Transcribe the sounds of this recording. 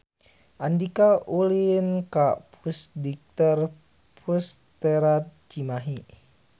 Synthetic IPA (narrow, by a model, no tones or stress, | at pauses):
ʔandikaulinkapʰusdik̚t̪ər | pʰust̪ɛɾat̪̚t͡ʃimaɦi